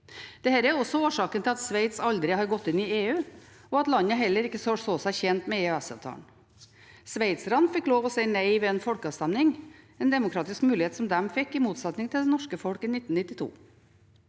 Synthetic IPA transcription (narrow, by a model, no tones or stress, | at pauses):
d̪̥ɛhæːɾæɾɔsɔoːʂɑːkənt̪ʰɪlɑt̪sʋæɪt̪sɑld̪ɾɪhɑɾɡɔt̪ːɪnɪeːʉː | ɔɑt̪lɑnːəɦɛlːəɾɪkːəsosoːsæɪçɛnt̪mɛeːœæsɑʋt̪ʰɑ̰ːɳ | sʋæɪt̪sɾɑnfɪkːloːʋɔsæɪnæɪʋɛɛnfɔlkɑːʋst̪ɛmnɪŋ | ɛnd̪ɛmʊkʰɾɑːt̪ɪskmʉːlɪheːt̪sɔmd̪ɛmfɪkːɪmuːt̪sɛt̪nɪŋt̪ʰɪld̪ɛnɔʂkəfɔlkɪnɪt̪ːnɪt̪ːɪt̪ʰṵː